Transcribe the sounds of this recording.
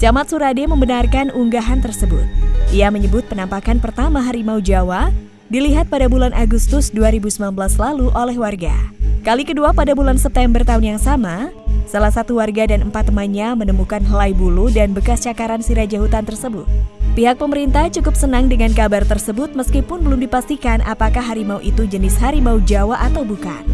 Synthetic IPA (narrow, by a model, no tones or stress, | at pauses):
d͡ʒamat̪suɾademəmbənarkanʔuŋɡaɦant̪ərsəbʊ̰t̪̚ʔiaməɲəbʊt̪̚pənampakanpərt̪amaɦaɾimaud͡ʒawa | diliɦat̪̚padabulanʔaɡust̪ʊsduaɾibusəmanbəlaslaluʔolɛhwarɡa̰kalikəduapadabulansɛp̚t̪ɛmbərt̪aʊnjaŋsama | salahsat̪uwarɡadanəmpat̪ːəmanɲamənəmukanɦəlaibuludanbəkast͡ʃakaɾansiɾad͡ʒaɦut̪ant̪ərsəbʊt̪̚piɦak̚pəməɾint̪aht͡ʃukʊpsənaŋdəŋankabart̪ərsəbʊt̪̚məskipʊnbəlʊmdipast̪ikanʔa̰pakahɦaɾimauʔit̪ud͡ʒənɪsɦaɾimaud͡ʒawaʔat̪awbuka̰n